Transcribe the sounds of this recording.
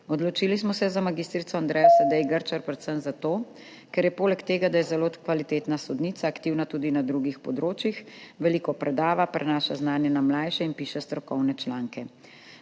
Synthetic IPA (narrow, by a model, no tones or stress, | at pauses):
ɔd̪lɔt͡ʃiːlismɔsɛzamaɡiːst̪ɾit̪sɔand̪ɾɛjasad̪ɛjɡəɾt͡ʃaɾpɾɛt̪səmzat̪oː | kɛɾjɛpoːlɛkt̪eːɡad̪ajɛzɛloːkʋalit̪eːt̪nasɔd̪niːt̪saːkt̪iwnat̪uːd̪inad̪ɾuɡixpɔd̪ɾoːt͡ʃjixʋɛliːkɔpɾʔɛd̪aːʋapɾɛnaːʃaznaːnjɛnamlaːjʃɛinpiːʃɛst̪ɾɔkɔwnɛt͡ʃlaːŋkɛ